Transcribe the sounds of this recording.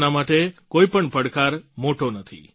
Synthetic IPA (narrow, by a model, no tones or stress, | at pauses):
namaʈekoipəɳpəɽkaɾmoʈonət̪ʰḭ